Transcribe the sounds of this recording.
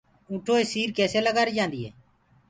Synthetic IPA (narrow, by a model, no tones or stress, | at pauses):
ũːʈʰoːeːsiːɾkɛːseːləɡaːɾiːd͡ʒãːnd̪iːɦḛː